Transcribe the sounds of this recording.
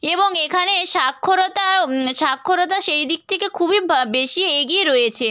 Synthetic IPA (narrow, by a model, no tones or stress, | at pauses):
eboŋekʰaneʃakʰːoɾot̪aʃakʰːoɾot̪̬aʃejd̪ik̚t̪ʰekekʰubibeʃieɡieɾoet͡ɕʰe